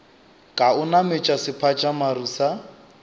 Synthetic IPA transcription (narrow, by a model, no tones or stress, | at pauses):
kʼaʊnamɪt͡ʃʼasɪpʰat͡ʃʼamaruːsa